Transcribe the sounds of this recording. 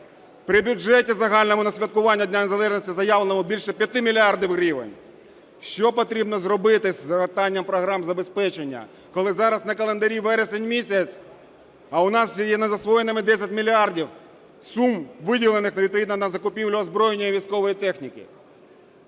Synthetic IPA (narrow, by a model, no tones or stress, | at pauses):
pɾɪbʲʊd͡ʒɛtʲizɐɦɑlʲnɔmʊnɐsʲʋʲɐt̪kʊʋɑnʲːɐdʲnʲanezɐlˠɛʒnʲisʲtʲizɐjɑʋlˠnɔmʊbʲilʲʃɛpʲjɐt̪ɪmʲilʲiɑrd̪ʲiwrʲiʋḛnʲ | ʃt͡ʃɔpɔt̪ɾʲibnɔzɾɔbɪt̪ɪsʲzɐʋert̪ɑnʲːɐmpɾɔɦɾɑmzɐbespɛt͡ʃenʲːɐ̰ | kɔlˠɪzɑɾɐsnɐkɐlˠend̪ɐɾʲiʋɛɾesenʲmʲisʲɐt͡sʲ | ɐʊnɑsjjɛnɐzɐsʋɔjenɪmɪd̪ɛsʲɐtʲmʲilʲiɑrdʲiw | sumʋɪdʲilˠenɪxnɐʋʲid̪̚pɔʋʲid̪nɐnɐzɐkʊpʲiwlʲʊːzbɾɔjnʲːɔjiʋʲijsʲkɔʋɔjit̪ɛxnʲikɪ̰